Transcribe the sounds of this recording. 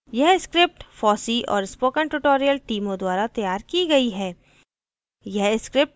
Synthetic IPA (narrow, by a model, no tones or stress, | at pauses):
jɛɦskɾɪp̚ʈfɔːsiʔɔ̰ːɾɪspoːkəɳʈʊʈoːɾijəlʈiːmõd̪waːɾat̪ɐjaːɾkiɡɐiɦɛː | jɛɦɪskɾɪp̚ʈ